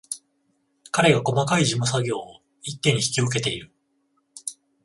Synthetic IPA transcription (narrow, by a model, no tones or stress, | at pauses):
kaɾe̞ɡako̞makaiʑimos̬aɡʲo̞ː | it̪ːẽ̞ɲ̟ːiçi̥kʲiok̬e̞t̪e̞iɾɯ̟